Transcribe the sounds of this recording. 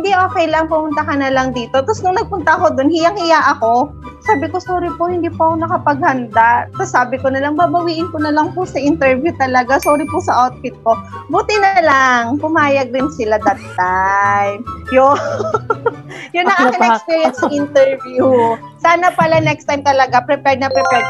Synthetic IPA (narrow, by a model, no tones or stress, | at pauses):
hɪnd̪iʔo̞ːkɛjlɐŋpʊmʊnt̪ɐkɐnɐlɐŋd̪iːt̪o̞t̪ɐsnʊŋnɐɡ̚pʊnt̪ɐko̞d̪onhɪjɐŋɪjaʔɐko̞ | saːbɪko̞soːɾɪpohɪnd̪iːpʊʔɐkonɐkɐpɐɡ̚hɐnd̪aʔsɐsaːbɪkonɐlɐŋbabɐwiːʔɪnkonɐlɐŋpʊsɐʔɪnt̪ɛɹvjut̪ɐlɐɡasoɾɪpʊsɐʔat̪̚fɪt̪̚ko̞buːt̪ɪnɐlaŋpʊmaːjɐɡ̚ɾɪnsɪlad̪ɐt̪̚ːajmjo | jʊnːɐŋʔakɪnɐɛakspiːɹjɛnk̪sʔɪnt̪ɛɹvjusaːnɐpɐlanɛkst̪ajmt̪ɐlɐɡapɾɛpɛɹd̪nɐpɾɛpɛ